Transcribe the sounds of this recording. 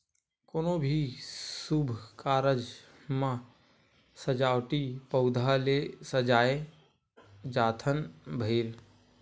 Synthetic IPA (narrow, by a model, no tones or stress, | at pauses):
koːnobʱisubʱkaːɾəd͡ʒ | mã | səd͡ʒaːwʈipəʊd̪ʱalesəd͡ʒaːe | d͡ʒaːt̪ʰənbʱeːl